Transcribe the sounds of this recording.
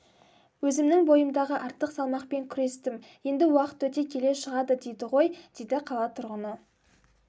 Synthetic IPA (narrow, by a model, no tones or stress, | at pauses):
wɵzɪmnɪŋbo̞jəmd̪ɑʁəʔɑɾt̪ːəqsɑlˠmɑqpe̞ŋkʲʰʏɾe̞st̪ɪm | je̞nd̪ɪwɑqə̥t̪wɵt̪e̞kʲʰe̞le̞ʃəʁɑd̪əd̪e̞jd̪ɪʁo̞jd̪̥ejd̪ɪqʰɑlˠɑt̪ʰʊɾʁənə